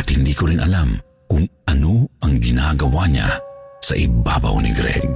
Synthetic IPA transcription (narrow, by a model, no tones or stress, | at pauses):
ʔat̪hɪnd̪iːkoɾinʔɐlam | kʊŋʔɐnoʔɐŋɡɪnaɡɐwaɲa̰sɐʔɪba̰ːba̰wnḭɡɾɛ̰ɡ̚